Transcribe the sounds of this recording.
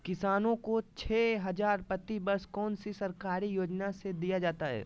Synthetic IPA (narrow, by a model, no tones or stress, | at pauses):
kɪsaːnõkot͡ʃʰɛːɦɐzaːɾpɾɐt̪ibɐɾskɔːnsisɐɾkaːɾijoːd͡ʒnased̪ijad͡ʒaːt̪aɦɛ̰ː